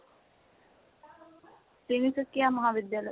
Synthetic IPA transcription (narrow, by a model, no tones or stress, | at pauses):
sinisəkːijaːmɐɦaʋid̪jaːlə